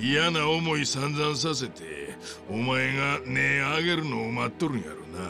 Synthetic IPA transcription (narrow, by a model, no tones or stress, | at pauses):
ijanaomoisanzans̬as̬et̪ʰḛumajeŋaneaɡeɾunoumat̪ːuɾna̰ɾuna